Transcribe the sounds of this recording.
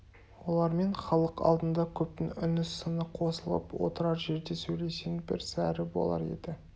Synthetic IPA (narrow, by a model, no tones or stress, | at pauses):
wo̞lˠɑɾme̞ɴχɑlˠəqɑ̰lˠd̪ənd̪ɑkʲʰɵp̚t̪ɪŋʏnɪsənəqʰo̞səlˠə̰pwo̞̰t̪əɾɑɾʒe̞ɾd̪e̞sɵjle̞senbɪ̰ɾsæɾɪbo̞̰lˠɑ̰ɾe̞̰d̪ɪ